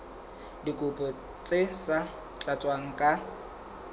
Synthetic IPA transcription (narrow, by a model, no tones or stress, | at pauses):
dikʼʊpʼɔ | t͡sʼesa | t͡ɬʼat͡sʼwaŋ̩kʼa